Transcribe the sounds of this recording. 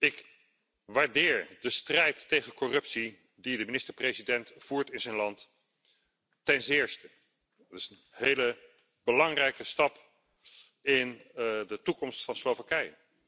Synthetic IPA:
ɪk | ʋaːɹdɪːɹdəstrɛjtːejχənkɔrɵpsi | didəminɪstəɹprezidɛntfuːɹtɪnzɛjnlɑnt | ɛnzɪːɹstə | dɑtɪsən | ɦejlə | b̥əlɑŋrɛjkəstɑp | ɪndətukɔmstfɑnslowvakɛjə

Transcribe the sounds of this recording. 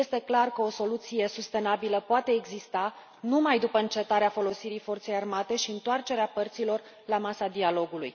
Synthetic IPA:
e̞st̪e̞klarkəo̞so̞lut̪sije̞sust̪e̞nabiləpoat̪e̞ːɡzist̪a | numajd̪upəɨnt͡ʃe̞t̪aɾeafo̞lo̞siɾijfo̞rt̪se̞jarmat̪e̞ʃiɨnt̪oart͡ʃe̞ɾeapərt̪silo̞r | lamasad̪ialo̞ɡulṵj

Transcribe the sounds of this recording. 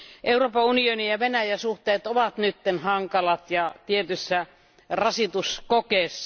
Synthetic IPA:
ʔeuroːpɑunionijɑʋenæjæsuht̪eːt̪oʋɑt̪nyt̪ːenhɑŋkɑlɑt̪jɑt̪iet̪ysːæ | rɑsit̪uskokeːsːɑ

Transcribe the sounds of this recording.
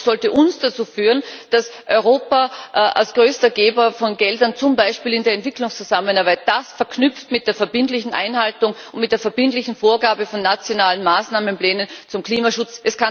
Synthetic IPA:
z̥ɔltəʔʊnsd̥at͡suːfyːʁənd̥asʔɔʏʁoːpaʔa̰lsɡ̥ʁøːstɐɡeːbɐfɔnɡɛldɐnt͡sʊmbaɪʃpiːlɪndeːɐɛntv̥ɪklʊŋst͡suzaməmənaɐbaɪt̚d̥asfɛɐkʰnʏp͡ftmɪt̚d̥eːɐfɛɐbɪntlɪçn̩ʔa̰ɪnhaltʊŋʊ̃ntmɪt̚d̥eːɐfɛɐb̥ɪntlɪçn̩foːɐɡaːbəfɔnːat͡sjonaːlənmaːsnaːmənplɛːnənt͡sʊmkliːmaʃʊt͡sʔɛska

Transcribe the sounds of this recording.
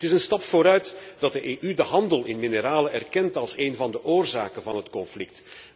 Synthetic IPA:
ətɪsənstɑpfoːɾœɥtdɑt̚dəʔeːʔydəɦɑndəlˠɪnminəɾaːləɛrkɛntɑlˠseːnvɑndəʔoːrza̰ːkənvɑnɦətkɔnflɪk̚t

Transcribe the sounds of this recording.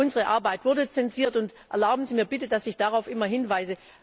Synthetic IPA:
ʊnzəʁəʔa̰ɐbaɪtv̥ʊɐdət͡sɛnziːɐtʊntʔɛ̰ɐlaʊbm̩zimiːɐbɪtəd̥asɪçd̥aʁaʊfʔɪmɐɦɪnvaɪzə

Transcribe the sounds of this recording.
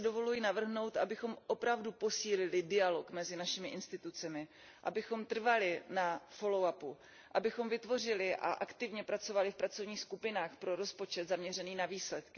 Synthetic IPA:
do̞vo̞lujinavr̩ɦno̞wt̪ʔabɪxo̞mʔo̞pɾavdupo̞siːlɪlɪdɪalo̞kmɛzɪnaʃɪmɪʔɪnst̪ɪt̪ut͡sɛmɪ | ʔa̰bɪxo̞mt̪r̩valɪnafo̞lo̞wapu | ʔabɪxo̞mvɪt̪vo̞r̝ɪlɪʔa̰ʔakt̪ɪvɲɛpɾat͡so̞valɪfpɾat͡sovɲiːxskupɪnaːxpɾo̞ɾo̞spo̞t͡ʃɛd̪zamɲɛr̝ɛniːnaviːslɛt̪kɪ

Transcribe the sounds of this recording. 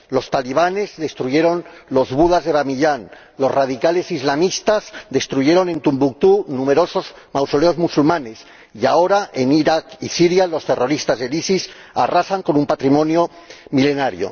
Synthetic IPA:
lo̞st̪aliβ̞ane̞zðe̞st̪ɾuʝe̞ɾo̞nlo̞zβuðazðe̞βamiʎan | lo̞zrað̞ikale̞sizlamist̪azd̪e̞st̪ɾuʝe̞ɾo̞nẽ̞nt̪umbuk̚t̪unume̞ɾo̞so̞z | mawsoleo̞zmusulmãne̞s | iao̞ɾaʔeniɾakisiɾjalo̞st̪e̞ro̞ɾist̪azðelisisarasaŋko̞numpat̪ɾimõ̞njomile̞naɾjo̰

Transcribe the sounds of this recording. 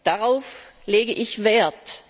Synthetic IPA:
d̥aʁaʊfleːɡəʔɪçveːɐt

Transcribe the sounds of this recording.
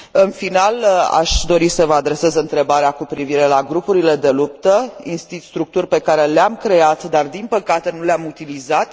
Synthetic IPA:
ɨnfinala̰ʃd̪o̞ɾisəvəad̪ɾe̞se̞zɨnt̪ɾe̞baɾeakupɾiviɾe̞laɡɾupuɾile̞d̪e̞lup̚t̪əinst̪ist̪ɾuk̚t̪urʲpe̞kaɾe̞leamkɾe̞at̪d̪ard̪inpəkat̪e̞nuleamut̪ilizat̪

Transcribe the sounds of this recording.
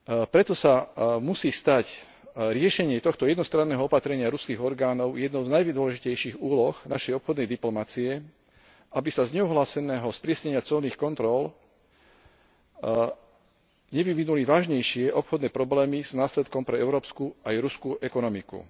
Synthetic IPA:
pɾɛt̪ɔsamusiːst̪ac | ɾɪɛʃɛɲɪɛt̪ɔxt̪ɔjɛd̪nɔst̪ɾanːɛːɦɔɔpat̪ɾɛɲɪaɾuskiːɣɔɾɡaːnɔʊjɛd̪nɔʊznajʋid̪ʋɔlɛʒicɛjʃiɣuːlɔxnaʃɛjɔpxɔd̪nɛjd̪iplɔmat͡siɛ | abisazɲɛuɦlaːsɛnɛːɦɔspɾɪɛsɲɛɲɪat͡sɔlniːxkɔnt̪ɾɔl | ɲɛʋiʋinuliʋaːʒɲɛjʃɪɛʔɔpxɔd̪nɛːpɾɔblɛːmiznaːslɛt̪̚kɔmpɾɛɛʊɾɔːpskuajɾuskuʔɛkɔnɔmikṵ

